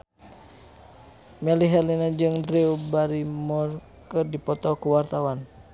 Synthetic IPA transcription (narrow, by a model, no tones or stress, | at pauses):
mɛliɦɛlinad͡ʒɨŋdɾiubaɾimɔr | kɨrdipɔt̪ɔkuwart̪awan